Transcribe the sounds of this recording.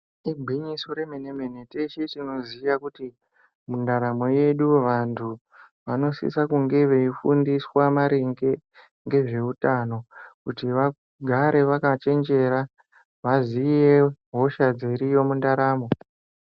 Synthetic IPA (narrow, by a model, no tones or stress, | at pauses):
ibʱiɲisoɾe̞meneme̞ne̞teʃitino̞zijakuti | mundaɾamo̞je̞ɗuʋantʰu | ʋano̞sḭsakuŋɡe̞ʋe̞ifṵndiswamaɾeŋɡe̞ | ŋɡe̞ʐe̞utano̞kutiʋa | ɡʱaɾe̞ʋakat͡ʃe̞nd͡ʒe̞ɾa | ʋazijeɦo̞ʃad͡zeɾijo̞mundaɾaːmo̞